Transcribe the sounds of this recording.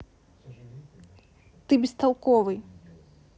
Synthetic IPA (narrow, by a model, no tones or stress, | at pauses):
t̪ɨbʲist̪ɐwkɔvɨj